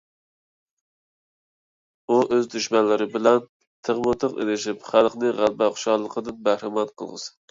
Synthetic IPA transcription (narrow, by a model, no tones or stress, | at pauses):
uʔøzd̪yʃmɛnlɪɾɪbɪlɛn | t̪ʰəʁmɨt̪ʰəqḛlɪʃipχælˠqnɨʁælˠbæχʊ̥ʃɑlˠːəqʰəd̪ɨnbæhɾɪmɑnqʰəlˠʁə̰sɨ̥